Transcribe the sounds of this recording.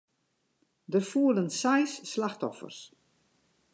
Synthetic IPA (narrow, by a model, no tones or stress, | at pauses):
dəfuələnsajsːlaxtɔ̰fə̰rs